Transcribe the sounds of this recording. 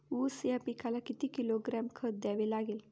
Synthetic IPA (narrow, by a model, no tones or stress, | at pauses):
usjapikʰalakit̪iːkiloɡɾamkʰəd̪aʋelaɡel